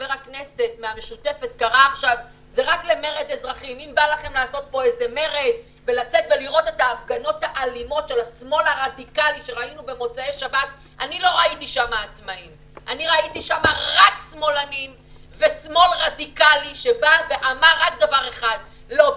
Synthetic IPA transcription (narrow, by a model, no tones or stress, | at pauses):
veʁakne̞se̞tmeameʃute̞fet̪̚kaʁaːχʃav | zeʁakle̞me̞ʁe̞d̪e̞zʁaχimimbalaχe̞mlaːso̞t̪̚po̞eze̞me̞ʁed̪ | ve̞lat͡se̞t̪ve̞liʁo̞t̪e̞taːfɡano̞thaʔalimo̞tʃe̞lasmo̞laʁadikaliʃeʁainube̞mo̞t͡saeʃabat̪ | ʔanilo̞ʁaitiʃamaːt͡smaim | aniʁaitiʃamaʁaksmo̞lanim | ve̞smo̞lʁadikaliʃebaveʔamaʁakd̪avaʁe̞χad | lo̞